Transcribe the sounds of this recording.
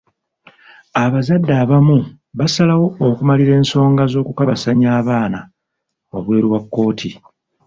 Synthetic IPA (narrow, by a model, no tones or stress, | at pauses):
aβazadːaːβamu | βasalawo̞ːkumaliɾe̞ːnso̞ːŋɡazo̞ːkukaβasaɲaːβaːna | wa̰βwe̞ːɾiwakːo̞ːtʰi